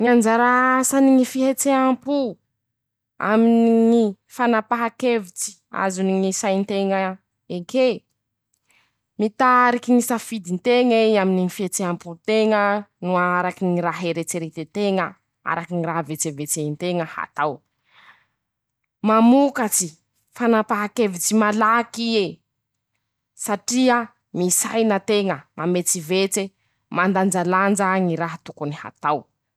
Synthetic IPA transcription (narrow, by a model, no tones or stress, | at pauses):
ɲiand͡ʒaɾasaniŋifiɦet͡seampu | a̰minŋi | fanapaɦakevit͡si̥ | a̰zuniŋisajnt̪eŋə | eke | mit̪aɾikiŋisafid̪int̪eŋeamininifiɦet͡seamput̪eŋənuaɾakiŋiɾaɦeɾet͡seɾet̪et̪eŋə | a̰ɾakiniɾaɦvet͡sevet͡seint̪eŋəha̰t̪aw | mamukat͡si | fanapaɦakevit͡simalakie | saʈ͡ʂiə | misajnət̪eŋəmamet͡sivet͡se | mand̪and͡ʒaland͡ʒaŋiɾaɦat̪ukuniha̰t̪aw